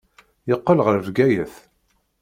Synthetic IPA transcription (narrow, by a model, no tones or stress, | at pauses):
jəqːəlʁəɾvɡæjəθ